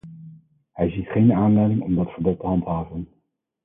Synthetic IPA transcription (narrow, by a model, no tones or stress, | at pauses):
ɦɛjzitχejnaːnlɛjdɪŋɔmdɑtfəɹbɔtːəɦɑntɦaːvən